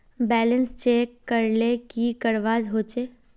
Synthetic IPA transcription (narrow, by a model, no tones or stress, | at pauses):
bɛːlə̃nst͡ʃeːkːəɾlekikəɾʋaːzɦoːt͡ʃeː